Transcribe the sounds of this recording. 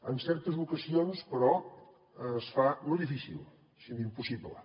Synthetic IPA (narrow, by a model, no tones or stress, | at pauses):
ənsɛɾt̪əzβukəzionspəɾɔ | əsfanojðifisḭlˠ | sind̪impusiβlə̰